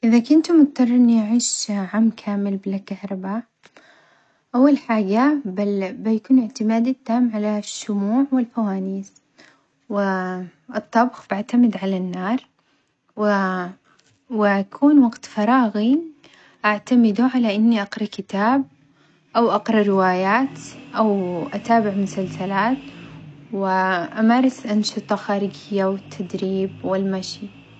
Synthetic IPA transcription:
ʔɪðakʊnt̪mʊt̪̚t̪ɑrˤːʔɪnːiʔaʕiːʃʕamːkʰaːmɪlbɪlakahɾˤɑba | ʔawːalħaːɡababajakuːnɪʕt̪ɪmaːd̪ɪt̪ːaːmʕalaʃːʊmuːʕwɪlfawaːniːs | wɪʔɨt̪ˤːɑbxbaʕt̪amɪd̪ʕalanːɑːɾˤ | wɪ | wɪʔakʰuːnwɑɡt̪fɑɾˤɑːɣi | ʔaʕt̪amɪd̪uʕalaʔɪnːiʔɑqɾˤɑkɪt̪aːb̚ | ʔawʔɑqɾˤɑɾɪwaːjaːt̪ʔawʔat̪aːbɪʕmʊsalsalaːt̪wɪʔamɑɾˤɑsʔanʃɨt̪ˤɑxaːɾɪɡɪjːawɪt̪ʰːad̪ɾiːbwɪlmaʃi

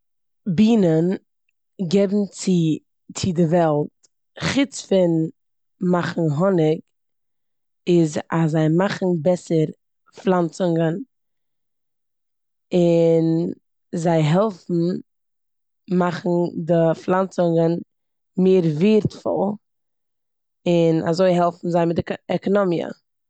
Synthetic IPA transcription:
biːnən | ɡɛbm̩t͡sɪ | t͡sɪdɪvɛlˠt | χɪt͡sfɪn | maχn̩ɦɔnɪk | ɪzazaɪmaχn̩bɛsəɾ | flˠant͡sʊŋən | ɪn | zaɪɦɛlˠfn̩ | maχn̩dɪflˠant͡sʊŋɡən | meːɾviːɾtfɔ̰lˠ | ɪna̰zoɪɦɛlˠfn̩zaɪmɪtdɪɛkɔnɔmiə̰

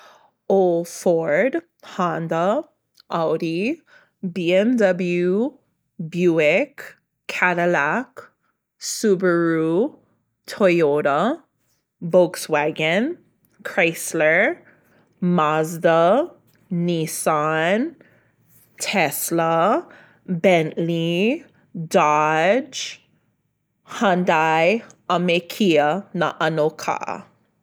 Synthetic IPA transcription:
olfɔɹd | hãndə | ʔaʊɾi | biɛmdʌblju | bjuɪkʰː | aɾəlak | subəɹu | tʰoɪoɾə | boʊkswɛɡə̃n | kʰɹeɪslə˞ | mazdə | nisan | tʰɛslə | bɛ̃nʔli | dad͡ʒ | hãndajamekʰiənaʔanokʰa̰

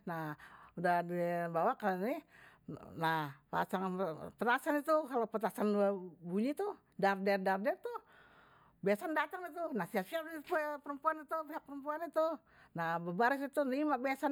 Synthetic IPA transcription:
naudadibawakani | nahpa̰saŋpət̪asanit̪ukalopət̪asanabuɲit̪u | dardɛrdardɛrt̪u | biasandat̪aŋit̪unahsiap̚siappəɾəmpuanit̪upiɦak̚pəɾəmpuanit̪u | nabəbaɾis̬it̪unimabiasa

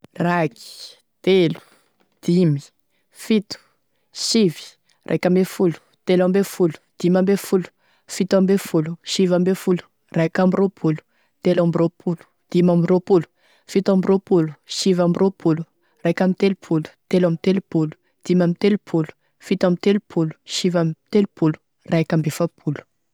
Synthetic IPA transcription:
raki̥ | t̪elu̥ | d̪̥imi̥ | fit̪u̥ | ʃivi̥ | rʔa̰jkʲambefulu̥t̪elambefulu̥d̪̥imambefulu̥ | fit̪ambefuluʃivambefulu̥ | rakambiropʰulu̥ | t̪elambiɾopʰulu̥ | d̪̥imambiɾopulu̥ | fit̪ambiɾopulu̥ʃivambirʔopʰulu | rakamit̪elupʰulu̥t̪elamit̪elupulu̥ | d̪̥imamit̪elupʰulu̥ | fit̪amit̪elupʰulu̥ʃivamt̪elupʰulu̥ | rakambefapʰulu̥

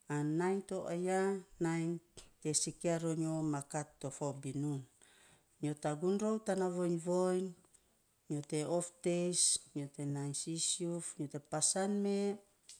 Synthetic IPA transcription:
anːajnt̪oʔajanajnt̪esikeaɾoɲomakat̪ːofawbinun | ɲot̪aɡunɾowt̪anavojnvojn | ɲot̪eoft̪esɲot̪enajnsisiufɲot̪epasanme

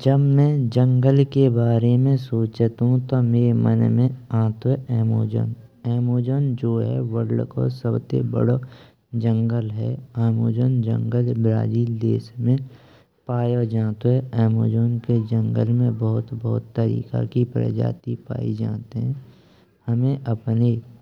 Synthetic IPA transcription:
d͡ʒəbmɛ̃d͡ʒə̃ŋɡəlkebaːɾemẽsoːt͡ʃət̪ɦũt̪omeːɾemə̰nmẽãːt̪oɦɛʔɛːmo̰ːd͡ʒə̰nɛːmoːd͡ʒənd͡ʒoːɦɛ̰ʋəɽlko̰səbt̪ḛbə̰ɽo | d͡ʒə̃ŋɡəlɦɛaːmoːd͡ʒənd͡ʒə̰̃ŋɡəlbɾa̰ːd͡ʒiːld̪eːsmẽ | paːjod͡ʒaːt̪oɦɛʔɛːmoːd͡ʒənked͡ʒə̃ŋɡəlmẽbəɦʊt̪bɔːʊt̪ːəɾḭːka̰kipɾə̰d͡ʒa̰ːt̪ipa̰ːḭd͡ʒa̰ːt̪eɦɛ̃ | həmẽʔəpne

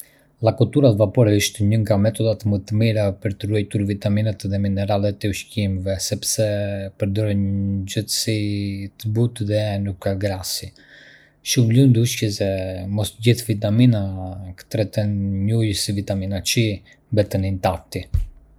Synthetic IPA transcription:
lˠakɔt̪uɾat̪vapɔɾɛiʃt̪ɛɲəŋɡamɛt̪ɔd̪at̪mət̪əmiɾapəɾt̪əruɛjt̪uɾvit̪aminat̪ðɛminɛɾalɛt̪ɛuʃcimɛvɛsɛpsɛpəɾd̪ɔɾɛnd͡ʒəθəsit̪əbut̪ðɛnukːaɡɾasi | ʃumlund̪uʃkɛsɛmɔst̪əɟiθvit̪aminakə̥t̪ɾɛt̪ɛnɲujəsivit̪aminat͡ʃi | mbɛt̪ənint̪af̚t̪i

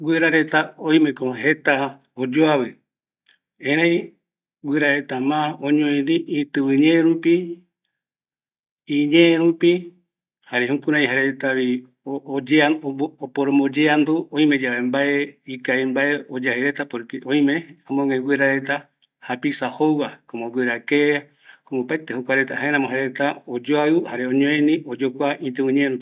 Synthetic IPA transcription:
wʷeɾaɾe̞t̪aõj̃mẽ̞koɦe̞t̪a | od͡ʒoaβɨ | ẽɾẽj | wʷeɾaɾe̞t̪amãõɲõĩnɾiʔit̪ɨβɨɲẽɾupi | iɲẽɾupi | haɾehũkũɾãj̃ɦaɾet̪aβi | od͡ʒeaopoɾomõd͡ʒeand̪uõj̃mẽ̞d͡ʒaβembaeikaembaeod͡ʒaheɾe̞t̪apoɾkeʔõj̃meamõŋeɡweɾaɾe̞t̪a | hapisahowwakomoɡʷweɾakea | komopaet̪ehokʷaɾet̪ahaeɾãmoɦaɾeet̪aod͡ʒoaɨhaɾeõɲõẽnĩod͡ʒokʷaʔĩt̪ɨwɨ̃ɲeɾu

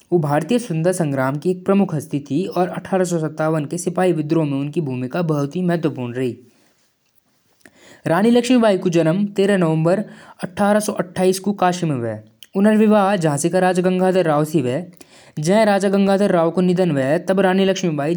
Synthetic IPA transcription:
oːbʱaːɾt̪ijəsʊ̃nd̪əɾsɐ̃ŋɡɾaːmkieːk̚pɾɐmʊkʰɦɐst̪it̪ʰiɔːɾɐʈʰaːɾas̬ɔsɐt̪ːaːʋənkesɪpaːiʋɪd̪ɾõmẽʊnkibʱuːmɪkabɐɦʊt̪imɛɦt̪ʋəpuːɾnɾɐɦiː | ɾaːnilɐkʃmibaːikud͡ʒɐɾəmt̪eːɾənɐʋə̃mbəɾɐʈʰːaːɾasɔʔɐʈʰːaːiːskukaːʃimẽʋɛ̰ː | ʊnəɾʋɪʋaːɦd͡ʒɐɦãsekaɾaːd͡ʒaɡə̃ŋɡʱaːd̪əɾːaːʋsiʋɛː | d͡ʒɛ̃ɦɾaːd͡ʒaɡə̃ŋɡʱaːd̪əɾːaːʋkonɪd̪ənʋɛt̪ɐbɾaːnilɐkʃmibaːi

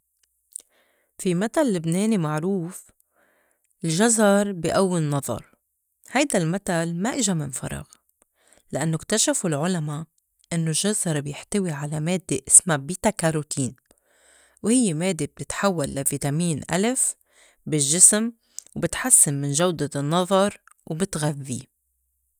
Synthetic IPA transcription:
fimat̪allːɪbneːnimaʕɾuːf | ɪlʒazɑɾˤbiʔawːɪnːɑðˤɑ̰ɾˤ | hajd̪almat̪almaʔɪʒamɪnfɑ̰ɾˤɑ̰ɣ | lɪʔanːokt̪aʃafulʕʊlama | ʔɪnːolʒazɑɾˤbjɪħt̪awiʕalameːd̪ːeʔɪsmabiːt̪akaɾˤut̪ʰiːn | whɪjːemeːd̪ːeb̚t̪ɪt̪ħawːalːavit̪amiːnʔa̰lɪf | bɪʒːɪsm | wbɪt̪ħasːɪnːɪnʒawd̪anːɑðˤɑɾˤwbɪt̪ɣaðːi

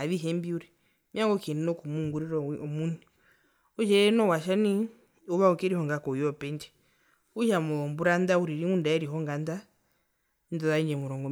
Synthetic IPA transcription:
aβiɦɛmbiuɾɛ | mjaŋɡɔkininɔkumuŋɡuɾiɾɔmuni | uʃɛnɔwaʃani | uβaukiɾihɔŋɡakɔjɔpɛnti̥ | uʃamumbuɾandauɾiɾimundaɛɾiɦɔŋɡanda | ndɔðaiɲd͡ʒɛmuɾɔŋɡɔ

